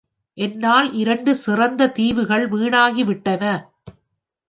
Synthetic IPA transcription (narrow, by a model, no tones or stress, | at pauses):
ʔɛnːaːlʔɪɾɐɳɖɯsɪrɐnd̪ɐt̪iːʋɯɣɐɭʋiːɳaːɣiʋɪʈːɐnɐ